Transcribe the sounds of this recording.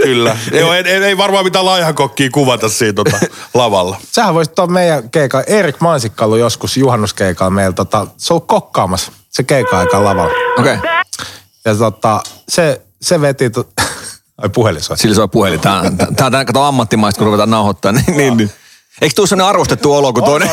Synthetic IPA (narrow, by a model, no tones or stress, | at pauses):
kylːæjoeneeiʋɑrmɑːmit̪ælɑihɑkokːiːkuʋɑt̪ɑssiːt̪oɑlɑʋɑlːɑsehæʋoist̪ːoɑmmeijækeikɑlʔeːrikmɑinsikːɑlujoskusjuhɑnːuskeikɑlmeilt̪ot̪ɑseolukkokːɑːmɑs | sekeikɑɑikɑlɑʋɑ̰lokei | jɑt̪ot̪ɑse | seʋet̪it̪o | ipuheliso̰isilːsoˑipuhelit̪æːt̪t̪æːt̪ækːɑt̪ɑɑmːɑt̪ːimɑist̪kuruʋet̪ɑnɑuhot̪ːɑːnninniːnni | eikst̪ulːsemːoneɑrʋost̪et̪ːuolokut̪oine